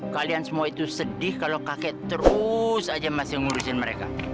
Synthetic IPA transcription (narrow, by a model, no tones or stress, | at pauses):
kaliansəmuait̪usədɪhkalakakɛʔt̪əɾusad͡ʒamasɪhŋuɾusɪnməɾeka̰